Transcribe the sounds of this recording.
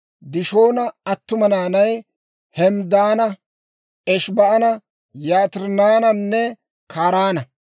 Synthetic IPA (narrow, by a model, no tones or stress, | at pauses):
d̪ɪʃo̞ːnɐɐt̪ːʊmɐnaːnɐj | hɛmd̪aːnɐ | ʔɛʃbɐʔɐnɐ | jaːt̪ɪɾnaːnɐnːɛ | kʰaːɾaːnɐ